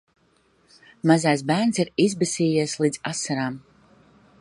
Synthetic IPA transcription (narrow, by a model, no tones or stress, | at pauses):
mazajs̬bæːɾnsiɾizbɛsʲiːjiɛslˠiːd̪z̥asːaɾaːm